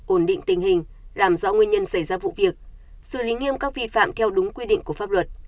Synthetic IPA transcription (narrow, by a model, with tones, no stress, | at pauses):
ʔo˧˩nɗḭ˧˨ŋ̟t̪ï˨˩ŋ̟hï˨˩ŋ̟ | laː˨˩mzɔ̰˧˥ŋwi˧ənɲə˧nsa˧˩jzaː˧vṵ˧˨vi˨˩ək̚ | sɨ̰˧˩li˨˦ŋi˧əmkaː˦˥k̚vi˧fa̰ː˧˨mt̪ʰɛ˧wɗʊ˨˦ŋ͡mkwi˧ɗḭ˧ŋku˧˩faː˦˥p̚lə˨˩t̚